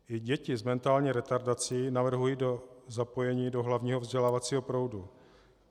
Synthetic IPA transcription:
ʔɪɟɛcɪzmɛnt̪aːlɲiːɾɛt̪aɾdat͡sɪjinavr̩ɦujiːdo̞zapo̞jɛɲiːdo̞ɦlavɲiːɦo̞vzɟɛlaːvat͡siːɦo̞pɾo̞wdu

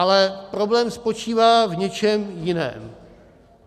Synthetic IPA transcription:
alɛpɾo̞blɛːmspo̞t͡ʃiːvaːvɲɛt͡ʃɛmjɪnɛ̰ːm

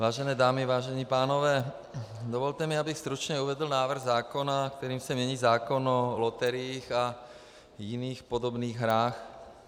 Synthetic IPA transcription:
ʋaːʒɛnɛːd̪aːmiʋaːʒɛɲiːpaːnɔʋɛː | d̪ɔʋɔlt̪ɛmiabixst̪ɾut͡ʃɲɛuʋɛd̪l̩naːʋr̩ɣzaːkɔnakt̪ɛɾiːmsɛmɲɛɲiːzaːkɔnɔlɔt̪ɛɾɪiːxa | jiniːxpɔd̪ɔbniːɣɦɾaːx

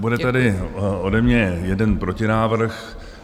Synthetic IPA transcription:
budɛt̪adɪodɛmɲɛjɛdɛnpɾocɪnaːvr̩x

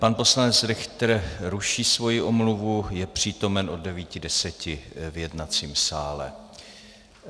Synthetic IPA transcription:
panpo̞slanɛt͡sɾɛxt̪ɾɾuʃiːsvo̞jɪʔomluvujɛpr̝̥iːt̪o̞mɛnʔoddɛviːcɪdɛsɛcɪvjɛdnat͡siːmsaːlɛ̰

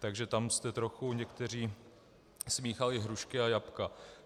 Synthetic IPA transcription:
t̪aɡʒɛt̪amst̪ɛt̪ɾoxuɲɛkt̪ɛr̝iː | smiːxalɪɦɾuʃkɪajapka

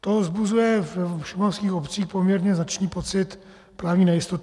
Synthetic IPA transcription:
t̪ozbuzujɛvɛʃɪmafskiːxopt͡siːxpomɲɛɾɲɛznat͡ʃniːpot͡sɪt̪ | pɾaːvɲiːnɛjɪst̪ot̪

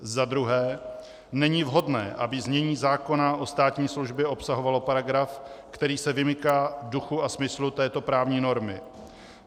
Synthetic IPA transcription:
zad̪ɾuɦɛː | nɛɲɪvɦo̞dnɛ̰ːʔa̰bɪzmɲɛɲiːzaːko̞naʔo̞st̪aːt̪ɲiːsluʒbjɛʔo̞psaɦo̞valopaɾaɡɾafkt̪ɛɾiːsɛvɪmɪkaːduxuasmɪslut̪ɛːt̪o̞pɾaːvɲiːno̞ɾmɪ

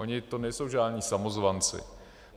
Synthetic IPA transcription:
ʔoɲɪt̪o̞nɛjso̞wʒaːdnɲiːsamozvant͡sɪ̰

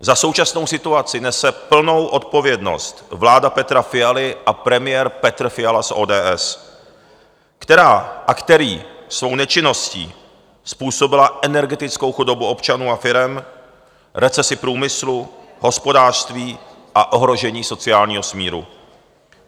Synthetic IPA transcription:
zaso̞wt͡ʃasno̞wsɪt̪uat͡sɪnɛsɛpl̩no̞wʔo̞t̪̚po̞vjɛdno̞̰st̪vlaːdapɛt̪ɾafɪjalɪʔapɾɛmɪjɛːɾpɛt̪rfɪjalasʔoːdɛːʔɛs | kt̪ɛɾaːʔakt̪ɛɾiːsvo̞wnɛt͡ʃɪno̞scḭː | spuːso̞bɪlaʔɛnɛɾɡɛt̪ɪt͡sko̞wxudo̞buʔo̞pt͡ʃanuːafɪɾɛm | ɾɛt͡sɛsɪpɾuːmɪslu | ɦo̞spo̞daːr̥st̪viː | ʔaʔo̞ɦɾo̞ʒɛɲiːso̞t͡sɪaːlɲiːɦo̞smiːɾṵ

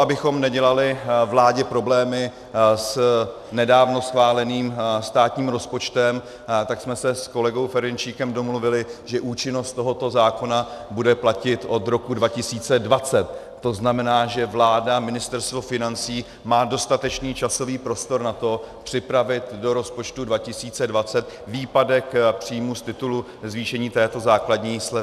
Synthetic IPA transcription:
abɪxo̞mnɛɟɛlalɪvlaːɟɛpɾo̞blɛːmɪ | s | nɛdaːvno̞sxvaːlɛniːmst̪aːt̪ɲiːmɾo̞spo̞t͡ʃt̪ɛm | t̪aksmɛsɛsko̞lɛɡo̞wfɛɾɪnt͡ʃiːkɛmdo̞mluvɪlɪʒɛʔuːt͡ʃɪno̞st̪t̪o̞ɦo̞t̪o̞zaːko̞nabudɛplacɪt̪ʔo̞t̪ɾo̞kudvacɪsiːt͡sɛdvat͡sɛt̪ː | o̞znamɛnaːʒɛvlaːdamɪnɪst̪ɛɾst̪vo̞fɪnant͡siː | maːdo̞st̪at̪ɛt͡ʃniːt͡ʃaso̞viːpɾo̞st̪o̞ɾnat̪o̞pr̝̥ɪpɾavɪt̪do̞ɾo̞spo̞t͡ʃt̪udvacɪsiːt͡sɛdvat͡sɛt̪̚ | viːpadɛkpr̥iːmust̪ɪt̪ulu | zviːʃɛɲiːt̪ɛːt̪o̞zaːkladɲiːslɛ

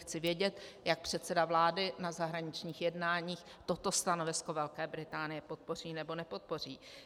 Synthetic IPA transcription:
xt͡sɪvjɛɟɛt̪jak̚pr̝̥ɛt̪t͡sɛdavlaːdɪnazaɦɾaɲɪt͡ʃɲiːxjɛdnaːɲiːx | t̪o̞t̪o̞st̪ano̞vɪsko̞vɛlkɛːbɾɪt̪aːnɪjɛpo̞t̪̚po̞r̝iːnɛbo̞nɛpo̞t̪̚po̞r̝iː

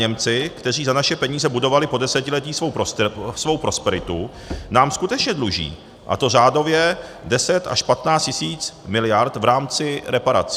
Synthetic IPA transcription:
ɲɛmt͡sɪkt̪ɛr̝iːzanaʃɛpɛɲiːzɛbudo̞valɪpo̞dɛsɛcɪlɛt̪iːsvo̞wpɾosvo̞wpɾo̞spɛɾɪt̪u | naːmskut̪ɛt͡ʃɲɛdluʒḭː | ʔa̰t̪o̞r̝aːdo̞vjɛ | dɛsɛt̪a̰ʃpat̪naːt͡scɪsiːt͡smɪlɪjaɾt̪vɾaːmt͡sɪɾɛpaɾa̰t͡sɪ̥

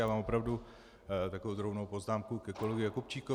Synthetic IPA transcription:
jaːmaːmopɾavdu | t̪akovowd̪ɾobnowpo̞znaːmkukɛkolɛɡɪakup̚t͡ʃiːko

